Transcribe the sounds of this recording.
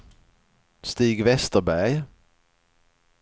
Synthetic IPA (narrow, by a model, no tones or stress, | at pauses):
st̪iːɡvɛst̪əɾbæj